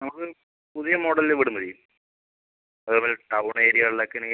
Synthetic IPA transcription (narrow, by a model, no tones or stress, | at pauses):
nɐmɐkːɨ | puðijɐmoːɽɐlleʋiɽumɐɾijum | ɐðupoːleʈɐwɳeːɾijaːɭlɐkːɐn